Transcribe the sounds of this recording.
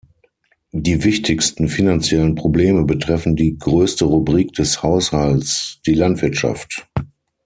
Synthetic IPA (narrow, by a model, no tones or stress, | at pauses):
diːvɪçtʰɪçstn̩finant͡sjɛlənpʁ̥obleːməbətʁ̥ɛfn̩diːɡʁøːstəʁubʁiːk̚d̥ɛshaʊshalsd̥iːlantv̥ɪɐtʃa̰ft